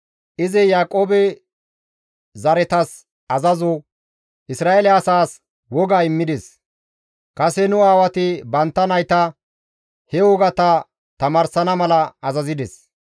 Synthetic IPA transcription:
ʔɪzɪjaːkʼːo̞ːbɛ | zɐɾɛt̪ɐs | ɐzɐzɔ | ʔɪsɾaːelɛɐsaːs | wɔɡaːɪmːɪd̪ɛs | kɐsɛnʊaːwɐt̪ɪbɐnt̪ːɐnɐjt̪ɐ | hɛwɔɡɐt̪ɐ | t̪ɐmaːɾsɐnɐmɐlɐːzɐzɪd̪ɛs

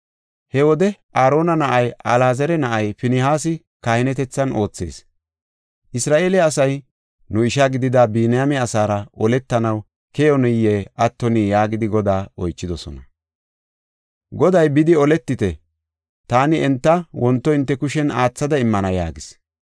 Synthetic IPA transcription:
hɛwɔd̪ɛʔaːɾo̞ːnɐnɐʔɐjʔɐlaːzɛɾɛnɐʔɐjfɪnɪhaːs̬ɪ | kahɪnɛt̪ɛt͡sːɐno̞ːt͡sːe̞̰ːs | ʔɪsɾaːʔe̞ːlɛɐsɐj | nʊɪʃɐɡɪd̪ɪd̪ɐbiːnɪjamɛɐsaːɾɐʔɔlɛt̪ːɐnɐw | kɛjɔnɛjːeʔɐt̪ːɔniːjaːɡɪd̪ɪɡɔd̪aːɔjt͡ʃːɪd̪ɔsɔ̰nɐ | ɡɔd̪ɐjbɪd̪ɪɔlɛt̪ːɪt̪ɛ | t̪aːnɪɛnt̪ːɐwɔnt̪ːɔɪnt̪ːɛkʊʃɛnaːt͡sːɐd̪ɐɪmːɐnɐjaːɡɪs

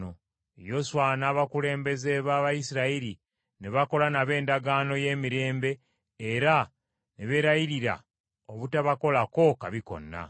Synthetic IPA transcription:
o | jo̞swanaːβakule̞ːmbe̞ze̞βaːβajisiɾaiɾi | neβako̞lanaβe̞ːndaɡaːno̞je̞ːmiɾe̞ːmbe̞ː | ɾa | neβe̞ɾaiɾiɾa̰ | o̞βutaβako̞lako̞kaβiko̞̰nːa̰

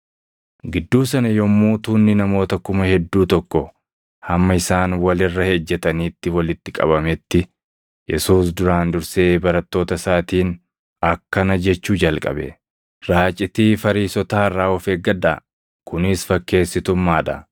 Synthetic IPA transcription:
ɡɪd̪ːuːs̬ɐnɐjɔmːuːt̪uːnːɪnɐmo̞ːt̪ɐkʊmɐhɛd̪ːuːt̪ɔkːɔ | hɐmːɐɪsaːnwɐlɪrːɐhed͡ʒːɛt̪ɐniːt̪ːɪwɐlɪt̪ːɪkʼɐ̰bɐmɛt̪ːɪ | jɛsuːs̬d̪ʊɾaːnd̪ʊɾseːbɐɾɐt̪ːo̞ːt̪ɐsaːt̪iːn | ɐkːɐnɐd͡ʒɛt͡ʃːuːd͡ʒɐlkʼɐ̰bɛ̰ | ɾaːt͡ʃʼɪt̪iːfɐɾiːsɔt̪aːrːaːɔfeːɡɐd̪a | kʊnɪsfɐkːe̞ːsːɪt̪ʊmːaːᶑɐ̰

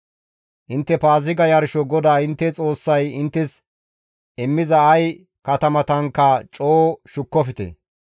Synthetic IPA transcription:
ʔɪnt̪ːɛpaːzɪɡɐjɐɾʃɔɡɔd̪aːɪnt̪ːɛt͡sʼo̞ːsːɐjɪnt̪ːɛs | ɛmːɪzɐːj | kɐt̪ɐmɐt̪ɐŋkːɐt͡ʃʼoːʃʊkːɔfɪt̪ɛ̰

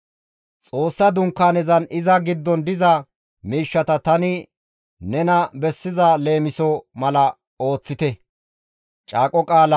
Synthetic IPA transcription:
t͡sʼo̞ːsːɐd̪ʊŋkːaːnɛzɐnɪzɐɡɪd̪ːɔnd̪ɪzɐ | miːʃːɐt̪ɐt̪ɐnɪ | nɛnɐbɛsːɪzɐle̞ːmɪsɔmɐlɐ | o̞ːt͡sːɪt̪ɛ | t͡ʃʼaːkʼɔkʼaːlɐ

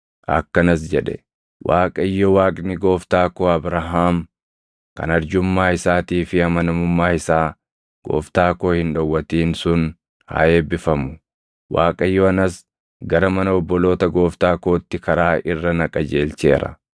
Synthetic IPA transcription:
ʔɐ̰kːɐnɐs̬d͡ʒɛᶑɛ̰ | wʔaːkʼɐɪjːɔwaːkʼnɪɡo̞ːft̪aːkoːɐbɾɐɦaːm | kɐ̰nɐɾd͡ʒʊmːaːhɪsaːt̪iːfɪɐmɐnɐmʊmːaːhɪsaː | ɡ̥o̞̰ːft̪aːkoːhɪnᶑɐwːɐt̪iːnsʊn | ha̰ːeːbɪfɐmʊ | waːkʼɐɪjːɔɐnɐs | ɡɐɾɐmɐnɐɔbːɔloːt̪ɐɡo̞ːft̪aːko̞ːt̪ːɪkɐɾaːʔɪrːɐnɐkʼɐd͡ʒe̞ːlt͡ʃe̞̰ːɾɐ̰

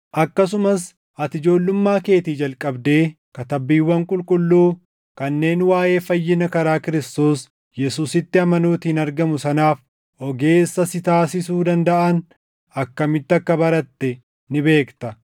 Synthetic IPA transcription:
ʔɐkːɐs̬ʊmɐs | ʔɐt̪ɪd͡ʒo̞ːlːʊmːaːke̞ːt̪iːd͡ʒɐlkʼɐbd̪e̞ː | kɐt̪ɐbːiːwːɐŋkʼʊlkʼʊlːuː | kɐnːe̞ːnwaːje̞ːfɐjːɪnɐkɐɾaːkɪɾɪst̪o̞ːs | jɛsuːsɪt̪ːɪɐmɐnuːt̪iːnɐɾɡɐmʊsɐnaːf | ʔɔɡe̞ːsːɐsɪt̪aːsɪsuːd̪ɐnd̪ɐʔɐn | ɐkːɐmɪt̪ːɪɐkːɐbɐɾɐt̪ːɛ | nɪbe̞ːkt̪ɐ

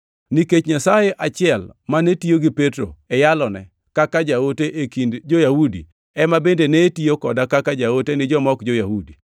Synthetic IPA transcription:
niket͡ʃɲasajeʔat͡ʃɪɛlmanetioɡɪpetɾo̰ɛjalɔnɛ̰ | kakad͡ʒaoteʔekindd͡ʒojawudḭ | ɛmabendenetiokɔdakakad͡ʒawotenɪd͡ʒɔmɔkd͡ʒojahudi

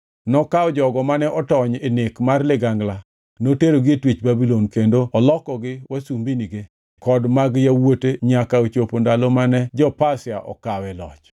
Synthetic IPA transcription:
nɔkaɔd͡ʒɔɡɔmanɛʔɔtɔɲenekmarlɪɡaŋɡla | noteɾoɡetwit͡ʃbabilonkendoɔlɔkɔɡɪwasumbiniɡe | kɔdmaɡjawoteɲakaot͡ʃopondalomanɛd͡ʒɔpasɪaʔɔ̰kawɛlɔ̰t͡ʃ

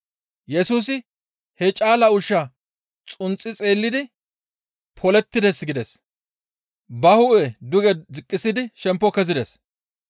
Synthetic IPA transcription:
jɛsuːs̬ɪ | hɛt͡ʃʼaːlɐʊʃːɐ | t͡sʼʊnt͡sʼːɪt͡sʼe̞ːlːɪd̪ɪ | pʰɔlɛt̪ːɪd̪ɛsɡɪd̪ɛs | bɐhʊʔɛd̪ʊɡɛd͡zɪkʼːɪsɪd̪ɪʃɛmpːɔkɛzɪd̪ɛs

